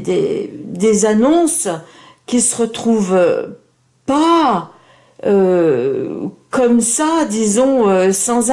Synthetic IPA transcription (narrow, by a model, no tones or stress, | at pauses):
d̪ḛd̪ezanɔ̃s | kʲisəʁət̪χuvø | pa | ø | kɔmsad̪izɔ̃øsɑ̃z